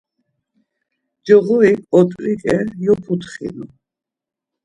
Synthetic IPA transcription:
d͡ʒɔɣɔikʼɔt̪ʼɾikʼɛjɔpʰut̪χḭlu

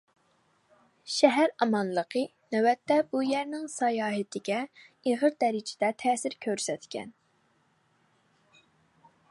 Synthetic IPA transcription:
ʃɛɦæɾɑmɑnlˠəqʰə | nɛwɛt̪ːɛbujɛɾnɪŋsɑjɑːɦɪt̪ʰɪɡʲɛeʁəɾd̪ɛɾɪd͡ʒɪd̪ɛt̪ʰɛːsɪɾkʲʰøɾsɛt̪kʲɛ̰n

